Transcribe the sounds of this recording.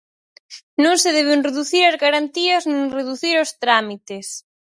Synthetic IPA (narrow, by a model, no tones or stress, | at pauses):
nõŋseðeβ̞enreðuθiɾazɣaɾant̪iɐznẽŋreðuθiɾost̪ɾamit̪es